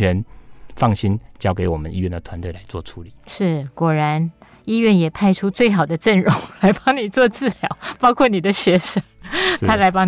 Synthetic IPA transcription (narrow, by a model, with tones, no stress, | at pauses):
ɥɛ˧˥nfɑ˥˨˩ŋɕi˦nt͡ɕjɑ˥ʊke˧˥ɪwɔ˨˩mə˦ni˥ɥɛ˥˩nd̪ə˨t̪ʰwa˧˦nt̪we˥˩ɪla˧˦ɪt͡swɔ˥˨˩ʈ͡ʂʰu˧˥˦li˨˩˦ʂɻ̩˥˩kwɔ˨˩ɻa˧˥n | i˥ɥɛ˥˩njɛ˨˩pʰa˥˧ɪʈ͡ʂʰu˥t͡swe˥˩ɪxɑ˨˩ʊd̪ə˦ʈ͡ʂə˥˩nɻʊ˧˥ŋla˧˥ɪpɑ˥ŋni˨˩t͡swɔ˥˧t͡sɹ̩˥˩ljɑ˧˥ʊpɑ˥ʊkʰwɔ˥˩ni˨˩d̪ə˦ɕɥɛ˧˥ʂə˧˥˦tʰa˥la˧˥ɪpɑ˥ŋ